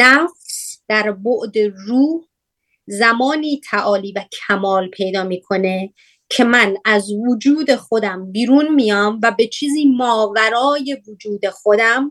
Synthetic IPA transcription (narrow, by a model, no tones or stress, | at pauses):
næfsd̪̥æɾboʔd̪eruː | zæmɒːniːt̪ʰæʔɒːliːvæcʰæmɒːlpʰe̞jd̪ɒːmiːkʰo̞ne̞ | cʰe̞mænæzvod͡ʒuːd̪e̞xo̞d̪æmbiːɾunmijɒmvæbe̞t͡ʃʰiːziːmɒːvæɾɒːje̞vod͡ʒuːd̪e̞xod̪æm